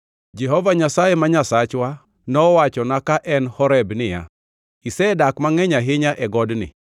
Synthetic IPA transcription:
d͡ʒɛɦɔvaɲasajemaɲasat͡ʃwa | nɔwat͡ʃɔnakaʔɛnhɔɾɛbnɪja̰ | isɛdakmaŋɛɲaɦɪɲaʔɛɡɔdnɪ̰

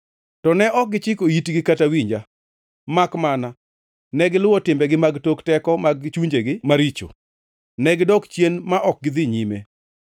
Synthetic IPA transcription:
tɔnɛʔɔk̚ɡɪt͡ʃɪkoitɡɪkatawiɲd͡ʒa | makmana | nɛɡɪlʊwɔtɪmbɛɡɪmaɡtoktɛkɔmaɡt͡ʃuɲd͡ʒeɡɪmaɾit͡ʃo̰ | nɛɡɪdɔkt͡ʃjenmaʔɔk̚ɡɪd̪ɪɲimḛ

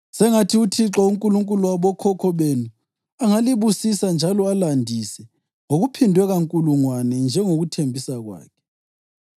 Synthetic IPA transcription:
sɛŋatʰiutʰiǁauŋkʼuluŋkʼuluaβɔkʰɔkʰɔβenu | aŋaliβusisand͡ʒʱalɔalandʱisɛ | ŋoɣupʰindʱwɛɣaŋkʼuluŋwanɛnd͡ʒʱɛŋoɣutʰembʱisaɣwa̰ːkʰɛ̥

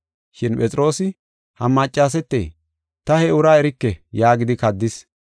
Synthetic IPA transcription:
ʃɪnpʼɛt͡sʼɪɾo̞ːsɪ | hɐmɐt͡ʃʼːaːs̬ɛt̪ːḛj | t̪ɐhɛʊɾaːɛɾɪkːɛjaːɡɪd̪ɪkɐd̪ːɪs

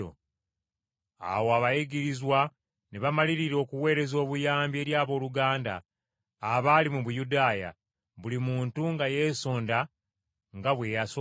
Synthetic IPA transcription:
o̰ | a̰woaβajiɡiɾizwa | neβamaliɾiɾo̞ːkuwe̞ːɾe̞zo̞ːβujaːmbje̞ːɾjaːβo̞ːluɡaːnda̰ː | βaːlimuβujudaːja̰ | βulimuːntuŋɡaje̞so̞ːnda | ŋɡaβwe̞jaso

